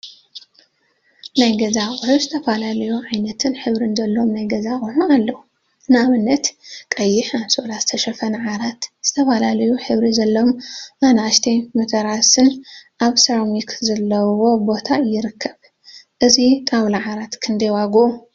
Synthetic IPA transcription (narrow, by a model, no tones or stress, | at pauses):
najɡɐzaχʼɨħuzɨt̪ʰɐfalalɐjuʕajnɐt̪ʰɨnħɨβɾɨnzɐlːo̞mnajɡɐzaχʼɨħualːɐwu | ɨnaβɨnːɐt̪kʼɐjːɪħaβso̞lazɨt̪ʰɐʃɐfɐnʕaɾat̪z̥ɨt̪ʰɐfalalɐjuħɨβɾizɐlːomːanaʃt̪ʰemɨt̪ʰɐɾasɨnʔaβsɐɾamikzɐlːɐwo̞bo̞t̪ʰajɪɾɨkʰːɐβ | ʔɨzik̪ʼawlaʕaɾat̪kʰɨnd̪ɐjwaɡuʔu